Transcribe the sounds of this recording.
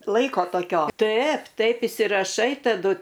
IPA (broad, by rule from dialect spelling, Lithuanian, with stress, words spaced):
ˈlˠɐɪkoː toːˈkʲoː ˈtɐɪp ˈtɐɪp ɪsʲɪrɐˈʃɐɪ tɐˈdʊ